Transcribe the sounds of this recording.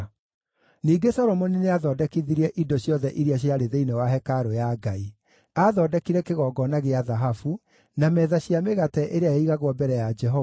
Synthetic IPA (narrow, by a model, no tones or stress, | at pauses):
niːɡesɔɾɔmɔnineaðɔːdɛkiðiɾɛʔidɔɕjɔðɛʔiɾiaɕ̬jaɾeðeinewaɦɛkaɾojaɡai | aðɔdɛkiɾɛkeɣɔɡɔnaɣeaðaɦafu | namɛːðaɕiameɣatɛʔeɾeajaiɣaɣwɔbɛɾɛjad͡ʒɛɦɔ